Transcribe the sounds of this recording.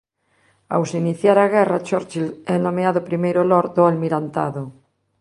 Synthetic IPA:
a̰wsiniθjaɾaɣɛrat͡ʃɔɾt͡ʃilɛnomeaðopɾimejɾolɔɾd̪oalmiɾant̪a̰ðo

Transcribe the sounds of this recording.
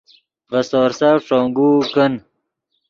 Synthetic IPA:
vɐsɔːɾsaʂoːŋɡuːkən

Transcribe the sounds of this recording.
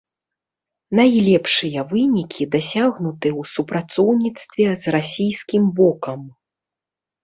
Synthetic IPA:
najlʲɛpʂɨjɐvɨnʲikʲʰid̪asʲaɣnut̪ɨwsupɾat̪sɔwnʲit̪st̪vʲɛzrasʲijskʲimbɔkɐm

